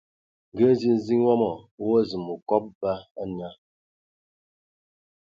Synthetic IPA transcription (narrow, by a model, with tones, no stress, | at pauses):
ɡə˦zi˦n̩˨zi˦ŋwɔ˦mɔ˨˦wo˦˨zi˨mu˨kɔ˦p̚ba˦a˦na˦